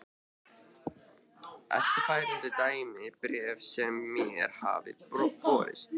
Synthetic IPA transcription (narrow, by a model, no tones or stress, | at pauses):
ɛ̰ht̪ɪɾ̥faːjɾɪnt̪ɪt̪aːjmɪpɾɛːvsɛmːɛɛ̰ɾ̥ha̰ːvɪ̰pɾɔpɔːɾɪ̰st̪